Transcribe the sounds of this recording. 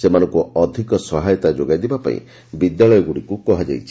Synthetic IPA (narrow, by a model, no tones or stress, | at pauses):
semanɔŋkuɔd̪ʱikɔsɔɦajɔt̪ad͡ʒoɡajd̪ibapa̰ḭ̃ | bid̪jaɭɔjɔɡuɽikukɔɦad͡ʒa̰jt͡ʃʰi̥